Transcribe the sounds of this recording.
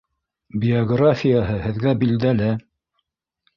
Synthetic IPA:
bʲɪoɡrafʲijaɦɤhɘ̆ðɡæbild̪ælæ

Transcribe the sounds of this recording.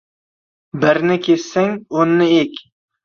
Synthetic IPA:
bɪɾnɪkʲʰessaŋonːɪekʲ

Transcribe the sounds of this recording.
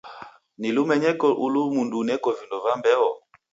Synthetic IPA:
nilumɛɲɛkɔʔulumundunɛkɔvindɔvambɛɔ

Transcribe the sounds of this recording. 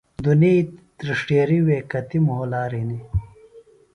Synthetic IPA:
d̪unit̪ɾiʂʈeːɾiweːkɐt̪imɦolaːɾini

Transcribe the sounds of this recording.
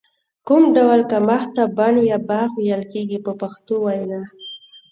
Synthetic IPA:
kʊmɖawlkamaxt̪abanjabaxwijəlkeɡipəpaxt̪owajna

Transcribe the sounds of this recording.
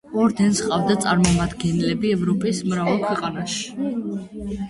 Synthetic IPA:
ɔɾd̪ɛnsqʼavd̪at̪sʼaɾmɔmad̪ɡɛnlɛbiɛvɾɔpʼismɾavalˠkʰwɛqʼanaʃi̥

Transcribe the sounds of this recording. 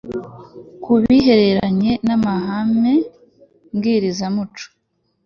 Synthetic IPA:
kuβiɦe̞ɾe̞ɾaɲe̞namaɦame̞ | ŋɡiːɾizamut͡ʃo̥

